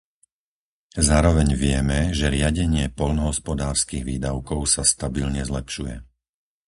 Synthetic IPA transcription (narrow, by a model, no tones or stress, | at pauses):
zaːɾɔʋɛɲʋɪɛmɛʒɛɾɪaɟɛɲɪɛpɔlnɔɦɔspɔd̪aːɾskiːɣʋiːd̪aʊkɔʊsast̪abilɲɛzlɛpʃujɛ̰